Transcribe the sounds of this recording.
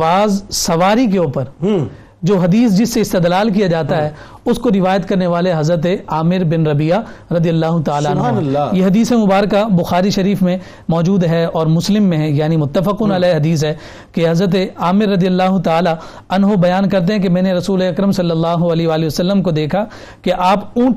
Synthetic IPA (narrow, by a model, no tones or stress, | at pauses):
aːzsɐʋaːɾik̬eoːpəɾ | d͡ʒoːɦɐd̪iːs̬d͡ʒɪsːeɪst̪ɪd̪laːlk̬ijad͡ʒaːt̪aɦɛ | ʊskoɾɪʋaːjət̪kɐɾneʋaːleɦɐzɾət̪̬eaːmɪɾbɪnɾɐbijaɾɐd̪ijɐlːaːɦʊt̪aːlaɐnɦjeɦɐd̪iːsemʊbaːɾkabʊxaːɾiʃɐɾiːfmẽ | mɔːd͡ʒuːd̪ɦɛɔːɾmʊslɪmːẽɦɛ̃jaːnimʊt̪ːəfɪquːnɐlaɦɐd̪iːs̬ɦɛː | keɦɐzɾət̪̬eaːmɪɾːɐd̪ijəlːaːɦʊt̪aːla | ɐnɦobɐjaːnkɐɾt̪̬ẽɦɛ̃k̬emɛ̃ːneɾɐsuːleɐkɾəmsɐlːəlːaːɦʊɐleːɦʋaːliʋɐsɐlːəmkod̪eːkʰa | keʔaːpũːʈ